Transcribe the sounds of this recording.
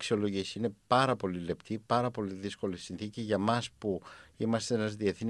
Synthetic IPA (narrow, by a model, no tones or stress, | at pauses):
ksio̞lo̞ʝisine̞pɐɾɐpo̞lile̞pt̪ipɐɾɐpo̞liðisko̞lisinθiciʝɐmɐspuimɐst̪eenɐzðieθni